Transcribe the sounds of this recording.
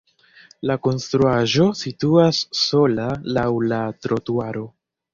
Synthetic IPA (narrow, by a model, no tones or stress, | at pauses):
lako̞nstɾuaʒo̞situasːo̞lalawlatɾotuaɾo̞